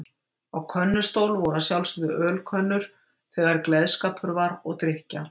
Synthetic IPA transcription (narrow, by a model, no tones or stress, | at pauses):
awkʰœnːʏst̪owlvɔɾasjawlsðʏʔœːlkʰœnːʏɾ̥ | θɛɣaɾklɛðskaːpʰʏɾvaɾɔɣt̪ɾɪhca